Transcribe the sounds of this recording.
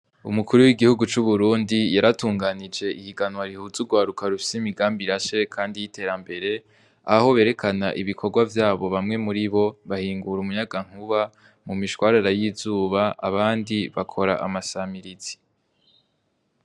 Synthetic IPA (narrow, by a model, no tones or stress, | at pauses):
ṵmukuɾuwiɡihuɡut͡ʃuβuɾuːndijaɾatuːŋɡaːnid͡ʒe̞ʔihiɡanwaɾihuzuɡwaːɾukaɾufi̥seimiɡaːmbiɾaʃekʰaːndijite̞ːɾambe̞ɾe̞ | aho̞βe̞ːɾe̞kʰanaʔiβikʰo̞ɾɡwavjaːβo̞βamŋe̞muɾiβo̞βahiːŋɡuɾumuɲaɡaŋ̥huβa | mumiʃwaːɾaɾajizuːβaa̰βaːndiβakʰo̞ɾa̰ʔamasamiɾiz̥i̥